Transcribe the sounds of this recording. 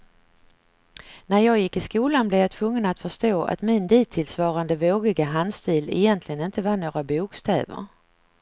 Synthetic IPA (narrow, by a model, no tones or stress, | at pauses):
næɾjɑːɡjɪkːɪskuːlanblɛvjat̪ʰvɵŋːənat̪fœʂt̪oːʔa̰t̪mɪnd̪iːt̪ʰːɪlsvɑːɾand̪əvoːɡɪɡaɦand̪st̪iːlɛjɛnt̪ʰlɪɡənɪnt̪əvanoːɡɾabuːkst̪ʰɛ̰ːvə̰ɾ